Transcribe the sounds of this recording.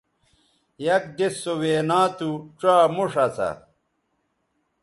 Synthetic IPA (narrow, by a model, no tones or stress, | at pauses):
jɐk̚ɖesːoweːnaːt̪uʈ͡ʂaːmuʂɐt͡sʰɐ̰